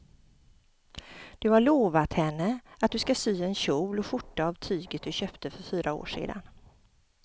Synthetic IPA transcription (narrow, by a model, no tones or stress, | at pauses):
d̪̥ɵhaɭoːvat̪hɛnːəat̪̚d̪ɵskasyːɛnɕuːlɔɧʊʈːaːvt̪ʰyːɡət̪̚d̪ɵɕøːpt̪əfœɾfyːɾʔao̰ːʂḛːd̪a̰n